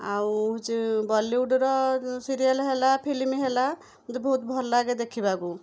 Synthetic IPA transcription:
awd͡ʒbɔlːiuɖɾɔsiɾijalɦelapʰilimiɦela | mt̪ɔbɔɦut̪bʱɔɾlaɡed̪ekʰibaku

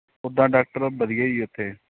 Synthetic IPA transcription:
ʊd̪ãːɖaːk̚ʈəɾbəd̪ɪjaːiːʊt̪ʰːeː

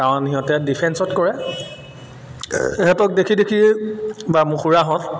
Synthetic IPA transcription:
kawnhiɦɔ̃tɛdipʰɛnsɔtkɔɹɛ | eɦɛtɔk̚dekʰidekʰibamũxuɹaɦɔ̃t

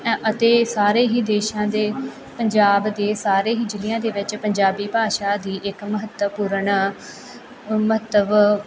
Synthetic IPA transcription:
ət̪eːsaːɾeːɦiːd̪eːʃãːd̪eː | pəɲd͡ʒaːbd̪eːsaːɾeːɦiːd͡ʒɪlɪjãːd̪eːʋɪt͡ʃpəɲd͡ʒaːbiːpaːʃaːd̪iːʔɪkməɦət̪əpuːɾəɳ | məɦət̪əʋ

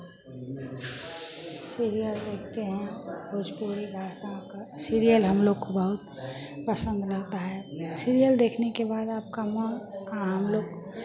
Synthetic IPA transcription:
siɾijəld̪eːkʰt̪eɦɛ̃bod͡ʒpoɾibʱaːsãkasiɾijəlɦəmloːɡkobəɦʊt̪̚ | pəsə̃nd̪ʱlɐɡ̚t̪aɦɛsiɾijəld̪eːkʰnekebaːd̪aːp̚kaməaɦəmloːɡ

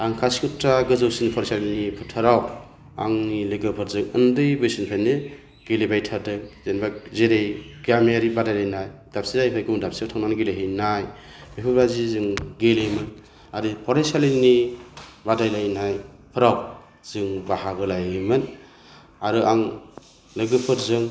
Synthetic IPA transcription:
aŋkʰasi̥kutɾaɡɯzɯwsinipʰɔɾesalinipʰɯtʰɯɾaw | a̰ŋnileɡɯpʰɯɾzɯŋɯndɯjbɯsinpʰeanːɯ | ɡ̥elebajtʰatɯkzenbazeɾejɡameaɾibadajlajnajdap̚sizajpʰajkɯŋdap̚siawtʰaŋnanɡeleɦɯjnaj | bipʰuɾazizɯŋɡelejmɯn | aɾipʰɔɾesalini | badajlajnaj | pʰɯɾaw | z̥ɯŋbahaɡɯlajmɯn | aɾɯʔaŋ | leɡɯpʰɯɾzɯŋ

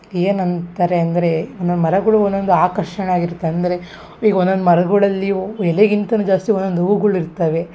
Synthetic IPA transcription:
eːnɐnt̪aːɾe̞ɐnd̪ɐɾe̞ond̪od̪umɐɾɐɡɐɭuond̪ːond̪uaːkɐɾʂɐnaːɡiɾt̪ːeɐnd̪ɐɾe̞ | iːɡɐond̪ond̪umɐɾɐɡɐɭɐlːiɛleɡint̪ɐnud͡ʒaːst̪ionːond̪uʋuɡɐɭuiɾt̪ɐːʋe̞

